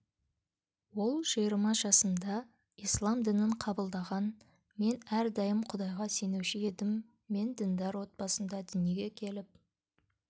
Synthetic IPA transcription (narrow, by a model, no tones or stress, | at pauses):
wo̞lˠʒijəɾmɑʒɑsənd̪ɑ | ijslˠɑmd̪ɪnɪɴqʰɑbəlˠd̪ɑʁɑn | me̞næɾd̪ɑjəmqʰʊd̪ɑjʁɑse̞ne̞wʃɪe̞d̪ɪmː | e̞nd̪ɪnd̪ɑɾwo̞t̪̚pɑsənd̪ɑd̪ʏnje̞ɡʲe̞kʲʰe̞lɪp̚